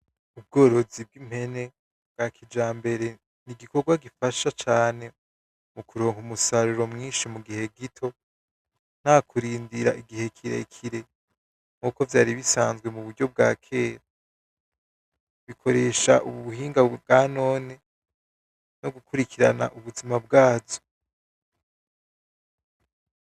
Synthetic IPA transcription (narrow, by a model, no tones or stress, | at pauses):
ub̚ɡo̞ːɾo̞zib̚ɡim̥he̞ne̞ | bɡ̥akʰid͡ʒaːmbe̞ɾe̞ | niɡiko̞ɾɡwaɡifaʃat͡ʃaːne̞ | mukuɾoːŋumusaɾuɾo̞mŋiːnʃimuɡihe̞ɡitʰo̞ | n̥haːkʰuɾiːndiɾaʔiɡihe̞kʰiɾḛkʰiɾe̞ | ŋ̥uːko̞vjaːɾiβisaːnzɡwemuβuɾɟo̞b̚ɡa̰ːkʰe̞ːɾa | βikʰo̞ɾe̞ʃa̰ʔuβuβuhiːŋɡabɡano̞ːne̞ | no̞ɡukʰuɾikʰiɾa̰na̰ʔuβuzimabɡaːzo̥